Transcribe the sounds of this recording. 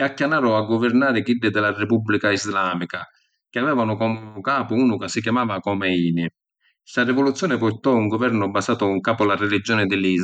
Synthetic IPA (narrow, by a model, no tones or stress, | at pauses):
ɛakːjanaːɾʊaɡːɔvɪɾnaːɾɪɡid̪ɪd̪ɪlarɪpubːlikaizlaːmika | k̟ɪavɛːvanʊkɔmʊkaːpʊuːnʊkasːik̬jamaːvakɔmɛiːnɪ | sarɪvɔlut̪sːjɔːnɪpʊɾt̪ɔuŋɡɔvɛɾnʊbasaːt̪ʊŋkaːpʊlarɛlid͡ʒːɔːnɪd̪ɪliːz